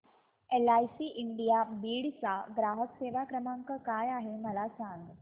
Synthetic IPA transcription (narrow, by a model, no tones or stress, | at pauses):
elajsiːʔiɳɖijabiːɽt͡saɡɾaɦəkseʋakɾəmaŋkəkajaɦeməlat͡sʰaŋɡ